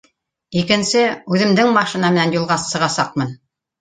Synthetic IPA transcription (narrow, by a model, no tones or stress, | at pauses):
ikɘ̆nsɘʉðɘ̆md̪ɘŋmɑʃĭnɑmɘ̆nænjulˠʁɑsːɤ̆ʁɑsɑq̚mɤn